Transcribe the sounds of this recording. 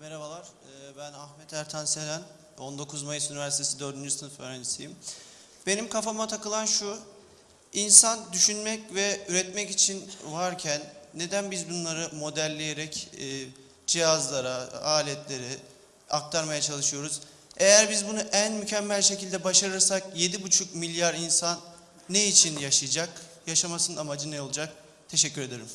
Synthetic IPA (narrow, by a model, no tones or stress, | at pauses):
meɾabalˠaɾ̥ | ɯːbænaxmɛt̪ʰæɾt̪ʰansenæn | o̞nd̪o̞kʰuzmajɯsynivæɾsit̪ʰesid̪øɾd̪ynd͡ʒyst̪ʰɯnføɾand͡ʒisʰijim | be̞nimkʰafamat̪ʰakɯlˠanʃu | insand̪yʃynmɛcvɛyɾɛt̪mɛcit͡ʃʰinvaɾcʰænːe̞d̪ænbizbunlˠaɾɯmo̞d̪ælʲːejeɾɛcː | d͡ʒijazlˠaɾaaːlʲɛt̪ʰlʲe̞ɾi | ak̚t̪ʰaɾmajat͡ʃʰalˠɯʃɯjo̞ɾuz̥ | e̞jæɾbizbunuʔænmycʰɛmːælʲʃe̞cilʲd̪ɛbaʃaɾɯɾsakje̞d̪ibut͡ʃʰukmilʲjaɾinsanː | eit͡ʃʰinjaʃɯjd͡ʒakjaʃamasɯnɯnamad͡ʒɯnɛolˠud͡ʒak̚ | t̪ʰe̞ʃɛcʰːyɾe̞d̪eɾim